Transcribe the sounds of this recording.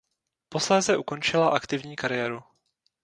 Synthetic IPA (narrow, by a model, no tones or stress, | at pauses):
po̞slɛːzɛʔuko̞nt͡ʃɪlaʔakt̪ɪvɲiːkaɾɪjɛːɾu